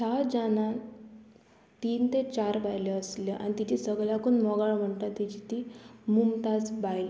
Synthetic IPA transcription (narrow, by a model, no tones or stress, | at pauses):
t͡ɕʰad͡ʑana | t̪iːnt̪et͡ɕaɾbajleəsljeʔa̰ñit̪it͡ɕisəɡɭakunmɔɡaɭm̤əɳt̪at̪ːit͡ɕit̪imumt̪at͡sbajle